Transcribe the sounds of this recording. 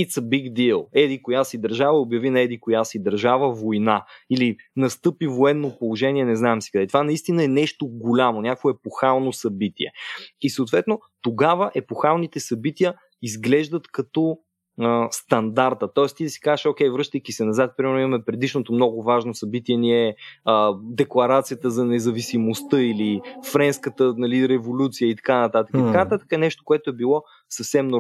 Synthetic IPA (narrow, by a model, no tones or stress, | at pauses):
it̪sɐbiɡd̪ilˠɛd̪ikojasid̪ɐɾʒavəobjɐvinɐɛd̪ikojasid̪ɐɾʒavəvojnailinɐst̪ɤpivoɛnːopolˠoʒɛniɛnɛznaɛmsi̥kɐd̪ɛt̪ovanɐist̪inəɛnɛʃt̪oɡolʲamonʲakvoɛpoxalˠnosɐbit̪iɛ̰isoːt̪vɛt̪no | t̪oɡavəʔɛpoxalˠnit̪ɛsɐbit̪iə | izɡlɛʒd̪ət̪kɐt̪ɔ | əst̪ɐnd̪aɾt̪ət̪ɔɛst̪isi̥kazəʃok̟ʲɛjvɾɤʃt̪əjkisɛnɐzat̪̚pɾimɛɾnʊimɐmɛpɾɛd̪iʃnot̪omnɔɡʊvaʒnosɐbit̪iɛniɛəd̪ɛklˠɐɾat̪sijət̪əzɐnɛzɐvisimost̪əilifɾɛnskət̪ənɐliɾɛvolʲut̪sijəit̪ɐ̥kanɐt̪at̪əkəit̪ɐkanɐt̪at̪ə̥kəɛnɛʃt̪o̥koɛt̪oɛbilˠɔ | səfsɛmno